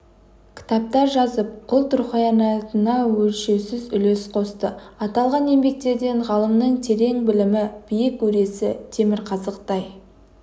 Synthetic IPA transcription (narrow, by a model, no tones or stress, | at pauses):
kʲʰɪ̥t̪ɑp̚t̪ɑɾʒɑzəp̚qʰʊlˠt̪ʰʊɾχəjɑnɑt̪ənɑwɵlʃe̞wsɪzʏle̞sqʰo̞st̪əɑt̪ɑlˠʁɑne̞mbe̞k̚t̪e̞ɾd̪e̞ɴʁɑlˠəmnəɴt̪ʰe̞ɾe̞ŋbɪlɪmɪb̥ijɪkwɵɾe̞sɪt̪ʰe̞mɪɾqʰɑzəqt̪ɑj